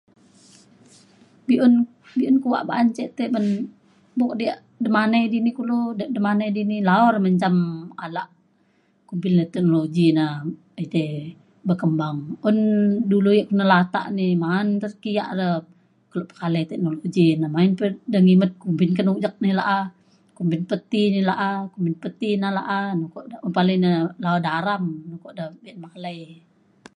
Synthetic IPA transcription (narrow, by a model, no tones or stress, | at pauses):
biʔun | biunkuwa̰ʔba̰ːɲt͡ʃɛʔt̪ebən | bɔk̚diaʔ | dəmanajdinikuludəʔdəmanajdinilaɔrməɲt͡ʃamalaʔ | kumpɪlnət̪ɛk̚noloɡina | it̪ɛ | bəkəmbaŋundulujaʔkunalat̪a̰ʔnimaːnt̪ərkijaʔdə | kəloʔpə̥kalət̪ɛk̚noloɡinamainpədəŋimət̪̚kumpɪnkənukd͡ʒak̚nilaʔa | kumpɪnpət̪inilaʔakumpɪnpət̪inala̰ʔanɔkɔʔdaʔunpaləjnalaodaɾamnukɔʔdəbiat̪̚maləj